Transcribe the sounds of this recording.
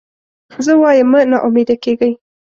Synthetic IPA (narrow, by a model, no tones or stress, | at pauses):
zəwɑjəmːənaʔumed̪akeɡəj